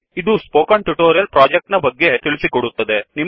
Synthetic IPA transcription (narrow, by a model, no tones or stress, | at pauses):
id̪uspoːkaːɳʈuʈoːɾijɐlpɾaːd͡ʒek̚ʈnɐbɐɡːe̞t̪iɭisikoɽut̪ːɐd̪e̞ni